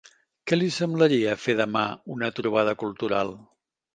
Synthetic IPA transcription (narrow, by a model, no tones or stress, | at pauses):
kɛlisəmbləɾiəfeðəma̰unət̪ɾuβað̞əkulˠt̪uɾalˠ